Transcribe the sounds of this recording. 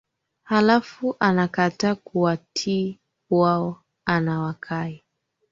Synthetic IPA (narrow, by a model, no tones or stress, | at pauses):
halafuʔanakataːkuwatʰi | waɔ | anawakʰai